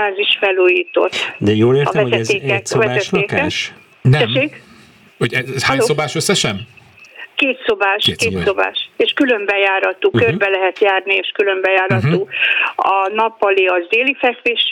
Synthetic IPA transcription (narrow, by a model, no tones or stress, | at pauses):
aːziʃfɛloːjiːt̪o̞̰t̪ːd̪ɛjoːleːɒ̰ɛzɛt̪eːkɛkvɛzɛeːkɛʃ | nɛɛʃːeːk | hoɟɛzhaːɲsobaːʃøsːɛʃɛm | keːt̪sobaːʃkeːso̞ba̰ːʃeːʃkylø̞mbɛjaːɾɒt̪uːkørbɛlɛɦɛt̪jaːrnieːʃkylø̞mbɛjaːɾɒt̪uːɒnɒpːɒleːɒzd̪eːlifɛkveːʃ